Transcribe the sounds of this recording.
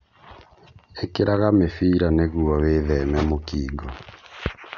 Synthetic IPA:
ekeɾaɣamefiːɾaneɣuɔweːðɛmɛmokiːɡɔ

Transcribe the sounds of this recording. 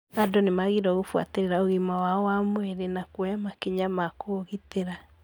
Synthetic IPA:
adonemaɣiɾɔɣofwa̰teɾeɾaoɣimawaɔwamwɛɾenakwɔjamakeɲamakʰoɣiteɾa

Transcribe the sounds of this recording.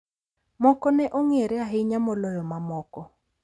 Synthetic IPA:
mɔkɔnɛʔɔŋeɾɛaɦɪɲamɔlɔjɔmamɔkɔ

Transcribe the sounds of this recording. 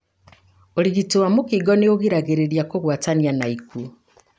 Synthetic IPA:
oɾiɣitowamokiɡɔneoɣiɾaɣeɾeɾijakoɣwatanianaiku

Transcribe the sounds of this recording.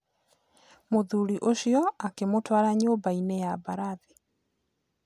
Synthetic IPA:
moðuɾiʔoʃijɔakemotwaɾaɲoːbainejabaɾaði

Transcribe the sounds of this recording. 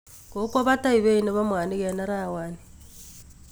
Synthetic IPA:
kokwaβataiβeineβamwaːniɣɛnaɾawaːni

